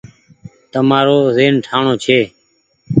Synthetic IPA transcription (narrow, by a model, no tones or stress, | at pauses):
t̪əmaːɾoːzeːnʈʰaːɳoːt͡ʃʰeː